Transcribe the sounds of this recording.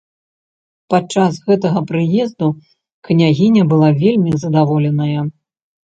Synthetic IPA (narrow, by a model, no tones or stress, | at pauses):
pat͡ʂasɣɛt̪ɐɣɐpɾɨjɛzd̪u | knʲaɣʲinʲɐbɨlˠavʲelʲmʲizɐd̪avɔlʲɛnɐjɐ